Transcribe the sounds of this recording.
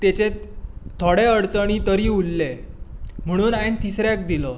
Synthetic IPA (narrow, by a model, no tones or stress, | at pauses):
t̪et͡ɕet̪ʰoɽeəɽt͡səɽ̃iːt̪əɾiːulːe | m̤əɽ̃uːnajnt̪isɾjak̚d̪ilɔ